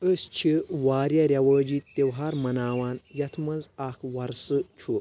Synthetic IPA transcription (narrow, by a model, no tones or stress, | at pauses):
əst͡ʃʰiʋaːɾjɐɾʲjɐʋəːd͡ʒiːt̪ːewɦaːɾmɐnaːwaːnjɐt̪ʰmɐnzaːkʰʋɐɾsɨt͡ʃʰu